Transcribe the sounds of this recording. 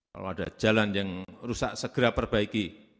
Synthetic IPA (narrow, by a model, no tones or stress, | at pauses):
ka̰lo̰ad̥ḁd͡ʒ̥alanjaŋrusa̰ʔsəɡ̥əɾapərb̥aiki